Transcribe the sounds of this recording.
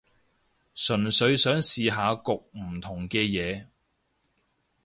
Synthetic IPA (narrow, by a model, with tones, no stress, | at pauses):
sɵ˨˩nsɵ˨˧˥ɥsœː˨˥ŋsiː˨˧ɦaː˨˧kʊ˨k̚m̩˨˩t̪ʰʊ˨˩ŋkɛː˧jɛː˨˧